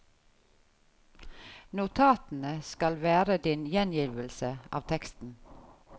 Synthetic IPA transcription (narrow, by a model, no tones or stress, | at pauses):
nʊt̪ʰɑːt̪n̩əskɑlʋæːɾəd̪ɪnjɛnjɪʋəlsəʔɑ̰ːʋt̪ʰɛkst̪n̩